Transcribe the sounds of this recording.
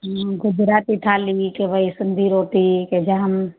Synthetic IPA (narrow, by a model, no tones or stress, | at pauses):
ɡʊd͡ʒɾaːt̪it̪ʰaːlikebʱəisɪnd̪ʱiɾoːt̪iked͡ʒaɦəm